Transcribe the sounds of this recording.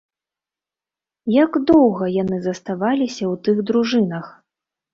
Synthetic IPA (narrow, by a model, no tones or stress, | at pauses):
jaɡd̪ɔwɣɐjanɨzɐst̪avalʲisʲɐwt̪ɨɣd̪ɾuʐɨnɐx